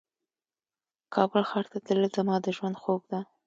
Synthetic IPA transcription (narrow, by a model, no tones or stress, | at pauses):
kʰɑbəlxɑɾt̪at̪ələzamɑd̪əʒwand̪xoɡ̚d̪a